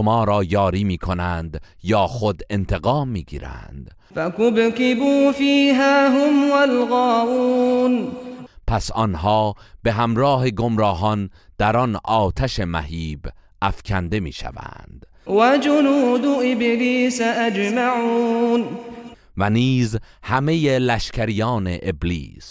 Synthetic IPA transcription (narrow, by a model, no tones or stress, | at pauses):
ʃomɒːɾɒːjɒːɾiːmiːkʰo̞nænd̪jɒːxod̪e̞nt̪ʰe̞ɣɒːmːiːɡiːɾæ̰nd̪̥ | fakʊbkɪbuːfiːɦaːɦʊmwalɣɑːʔuːnpʰæsɒnɦɒːb̥e̞ɦæmɾɒːɦeɡo̞mɾɒːɦɒnd̪̥æɾɒnʔɒːt̪ʰæʃe̞mæ̰hiːbʔæfkʲʰænd̪e̞mḭːʃæ̰væ̰nd̪̥ | wad͡ʒʊnuːd̪ʊʔɪbliːsaʔad͡ʒmaʕun | væniːzhæme̞jelæʃcʰæɾijɒːneʔeblḭːs